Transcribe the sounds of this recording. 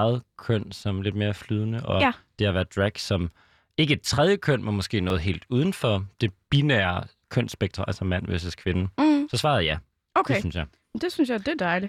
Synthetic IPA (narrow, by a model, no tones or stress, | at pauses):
ɑð̩ˠkʰœn̰sɒ̽mle̝d̥me̝ːɐflyːð̞ˠnəʔɒ̽d̥e̝hɑ̈ʋæɐd̥ʁæɡ̥sɒ̽m | e̝ɡ̥ə̥t͡sʰʁɛð̞ˠjəkʰœn̰menmɒ̽sɡ̥e̝̰ːnɔ̽ːð̩ˠɦe̝̰ːld̥uːð̞ˠn̩fɒ̽d̥e̝b̥inæːɐ | kʰœn̰sb̥eɡ̥d̥ʁɐælsɒmæn̰ʋḛsəskʰʋenəsɒ̽sʋɑ̈ːðˠjæ | okʰeynsjɑɪ | d̥esynsjɑ̈d̥ed̥ɑ̈ɪli